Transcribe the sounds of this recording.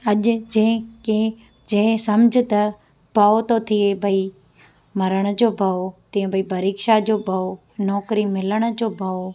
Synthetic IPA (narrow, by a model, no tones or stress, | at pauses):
ɐʄʊd͡ʑɐ̃ke | d͡ʑɐ̃ɪ̃sɐmd͡ʑʱɪ̆t̪ɐ | bʱɐot̪ot̪ʰiebʱɐi | mɐɾəɽ̃d͡ʑoːbʱɐot̪ĩj̃bʱɐipɐɾiːkʃad͡ʑoːbʱɐo | nɔːkɾimɪləɽ̃ʊ̆d͡ʑoːbʱɐo